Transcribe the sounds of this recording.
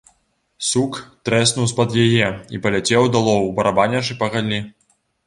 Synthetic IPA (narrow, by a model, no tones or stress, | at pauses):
sukt̪ɾɛsnuwspɐd̪jajɛḭpɐlʲat͡sʲɛwd̪alˠɔwubɐɾabanʲɐt͡ʂɨpɐɣalʲi